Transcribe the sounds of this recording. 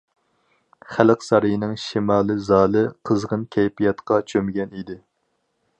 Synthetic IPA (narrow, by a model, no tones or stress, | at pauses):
χælɨqsɑɾɨjinɪŋʃimɑːlˠɨzɑːlˠɨqʰəzʁənkʲʰɛjpʰijɑt̪qɑt͡ʃʰømɪɡʲɛnid̪ɪ